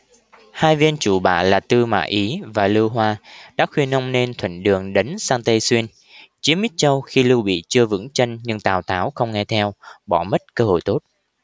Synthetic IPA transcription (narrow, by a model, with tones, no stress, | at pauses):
haː˧jvi˧nt͡ɕu˧˩ɓa̰ː˧˨laː˨˩t̪ɨ˧ma̰ː˧˨ʔi˨˦vaː˨˩lɨ˧wɦwaː˧ɗa̰ː˧˥xwi˧ənːə˧wŋ͡mne˧nt̪ʰwə̰˧˨ŋ̟ɗɨ˨˩əŋɗə˨˦ŋsaː˧ŋt̪ə˧jswi˧ən | t͡ɕi˨˦əmi˦˥t̚t͡ɕə˧wxi˧lɨ˧wɓḭ˧˨t͡ɕɨ˧əvɨ̰˧˥ŋt͡ɕə˧ŋɲɨ˧ŋt̪aː˨˩wt̪aː˨˦wxə˧wŋ͡mŋɛ˧t̪ʰɛ˧wɓɔ˧˩mə˦˥t̚kəː˧ho̰˧˨jt̪o˦˥t̚